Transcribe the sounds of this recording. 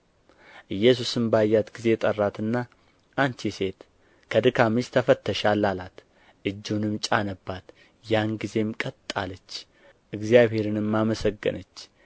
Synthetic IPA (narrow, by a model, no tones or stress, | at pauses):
ʔɨjːɛs̬usɨmbəajːat̪ɡize̞t̪ʼərːat̪ɨnːa | ʔant͡ʃ̪ise̞t̪ | kʰəd̪ɨkʰamist̪ʰəfət̪ʰːəʃalːalat̪ | ʔɨd͡ʒːunɨmt͡ʃʼanəbːat̪ | janɡize̞mkʼət̪ʼːa̰lət͡ʃː | ʔɨɡzjaβhe̞ɾɨnɨmːaməsəɡːɨ̰nət͡ʃː